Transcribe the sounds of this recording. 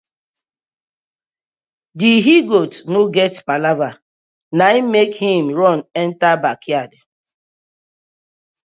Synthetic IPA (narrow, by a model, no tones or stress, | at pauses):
diɦiɡotnoɡɛtpalava | naimekhĩmɹɔnɛntabakjad